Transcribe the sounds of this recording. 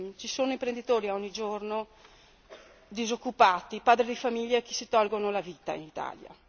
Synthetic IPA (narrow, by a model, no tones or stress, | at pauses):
t͡ʃisoːnoimpɾend̪it̪oːɾiaɔɲːid͡ʒorno | d̪izokːupaːt̪ipaːd̪ɾid̪ifamiʎːak̟i̥sit̪ɔlɡonolaviːt̪a̰ḭnit̪a̰ːlja̰